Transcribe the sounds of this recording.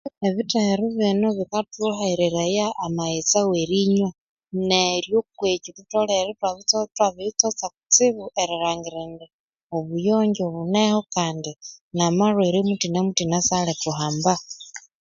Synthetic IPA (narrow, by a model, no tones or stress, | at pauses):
eβiteiɾiβinoβikatuɦaiɾeɾajaːmaet͡saweɾiɲwa | neɾjokwecututoleɾetwaβit͡stwaβit͡sot͡saku̥t͡siβuʔeɾiɾaːŋɡiɾende | oβujoːɲɟoβunehokaːndinamarweɾimutinemutinasaletuɦaːmba